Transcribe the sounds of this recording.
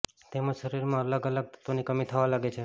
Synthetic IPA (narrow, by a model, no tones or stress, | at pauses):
t̪emãʃəɾiɾmãələɡələɡ̚t̪ət̪onikəmit̪ʰəʋalaɡet͡ʃʰe